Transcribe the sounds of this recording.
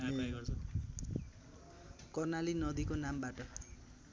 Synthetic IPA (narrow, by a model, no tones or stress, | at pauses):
kʌrnalinʌd̪ikonambaʈʌ